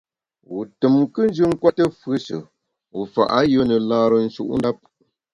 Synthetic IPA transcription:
wu˨tɨ˨mkɨ˦n˦d͡ʒɨ˦ŋ̩˦kwa˦tə˦fɨ˦sə̰˨ | u˨fa̰˨ʔa˦jə˦nə˨laː˦ɾə˨n̩˦ʃu˦ʔn̩˦da˦p̚

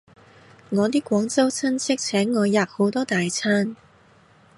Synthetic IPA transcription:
ŋɔː˨˧t̪̬iː˥kʷwɔː˨˥ŋt͡sɐ˥wt͡sʰɐ˥nt͡sʰɪ˥k̚t͡sʰɛː˨˥ŋːɔː˨˧jaː˨k̚ho˨˥wt̪ɔː˥t̪aː˨jt͡sʰaː˥n

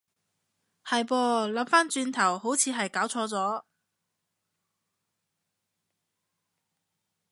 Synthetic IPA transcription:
hɐ˨jpɔː˧lɐ˨˥mfaː˥nt͡ʃyː˧nt̪ʰɐ˨˩who˨˥wt͡sʰiː˨˧ɦɐ˨jkaː˨˥wt͡sʰɔː˧t͡sɔː˨˥

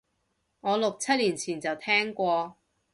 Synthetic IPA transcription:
ŋɔː˨˧lʊ˨k̚t͡sʰɐ˥t̚liː˨˩nt͡sʰiː˨˩nt͡sɐ˨wt̪ʰɛː˥ŋkʷɔː˧

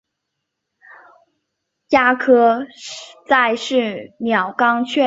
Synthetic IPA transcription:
jja˥kʰɤ˥ | t͡sa˥˧ɪʂɻ̩˥˩mjɑ˨˩ʊkɑ˥ŋt͡ɕʰɥɛ˥˩

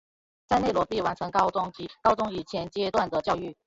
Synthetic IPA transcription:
t͡sa˥˧ɪne˥˩ɪlwɔ˧˥pi˥˩wa˧˥nʈ͡ʂʰɤ˧˥ŋkɑ˥ʊt͡sʊ˥ŋt͡ɕi˧˥kɑ˥ʊt͡sʊ˥ŋi˨˩t͡ɕʰjɛ˧˥nt͡ɕjɛ˥t̪wa˥˩nd̪ə˩t͡ɕjɑ˥˧ʊy˥˩

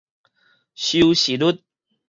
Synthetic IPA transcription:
ɕu˧wɕi˨lu˦˥t̪̚

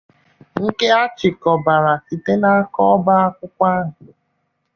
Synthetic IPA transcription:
ŋ̩˦ke˦a˦t͡ʃɪ˨kɔ˨ba˨ɾa˨si˨te˦na˦a˦kɔ˦ɔ˦ba˦a˦kʷʊ˦kʷa˦ɦʊ˨

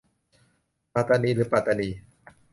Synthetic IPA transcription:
pa˧˩t̪a˧niː˧ɾɯː˨˦˥pa˧t̪a˧niː˧

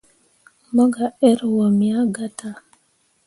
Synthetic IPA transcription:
mɔ˦ɡa˨ɛ˦ɾwɔ˨mi˨a˦ɡa˦ta˨

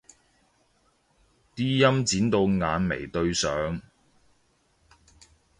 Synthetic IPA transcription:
t̪iː˥jɐ˥mt͡siː˨˥nt̪o˧wŋaː˨˧nmḛ˨˩jt̪ɵ˧ɥsœː˨˧ŋ

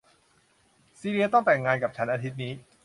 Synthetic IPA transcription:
siː˧ɾi˧ɐt̪ɔ˥˩ŋt̪ɛ˨˩ŋːaː˧nka˨˩p̚t͡ɕʰa˦˥nʔaː˧t̪ʰi˦˥t̪̚niː˦˥

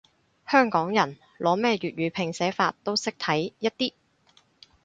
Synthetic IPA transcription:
hœː˥ŋkɔː˨˥ŋjɐ˨˩n | lʔɔː˨˧mɛː˥˧ɥyː˨t̚ɥyː˨˧pʰɪ˨˩ŋsɛː˨˥faː˧t̚t̪ːo˥wsɪ˥k̚t̪ʰɐ˨˥jjɐ˥t̚t̪iː˥

